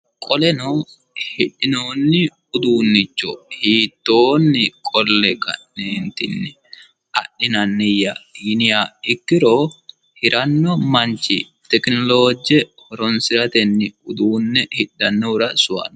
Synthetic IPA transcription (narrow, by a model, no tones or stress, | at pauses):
kʼɔlɛno | hɪɗːɪnoːnːɪ | ʊd̪uːnːɪt͡ʃːɔ̰hiːt̪ːoːnːɪkʼɔlːɛkɐ̰neːnt̪ɪnːɪ | ɐ̰ɗːɪnɐnːɪjːɐɡɪnɪjaɪkːɪɾoː | hɪɾʔɐnːɔmɐnt͡ʃːɪ̰ | t̪ɛknɔloːd͡ʒɛhɔɾɔnsɪɾɐt̪ɛnːɪʊd̪uːnːɛhɪɗːɐnːɔɾɐsʊɐ̰n